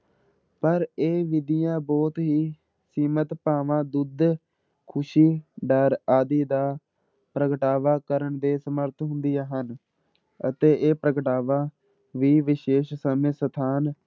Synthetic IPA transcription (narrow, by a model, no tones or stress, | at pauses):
pəɾeːʋɪd̪ɪjãːbɔːt̪ɦiː | siːmət̪paːʋãːd̪ʊd̪ | kʰʊʃiːɖəɾaːd̪iːd̪aː | pɾəkəʈaːʋaːkəɾəɳd̪eːsəməɾt̪ɦʊnd̪ijãːɦən | ə̰t̪eːʔeːpɾəkəʈaːʋaː | ʋiːʋɪʃeːʃsəmẽːsət̪ʰaːn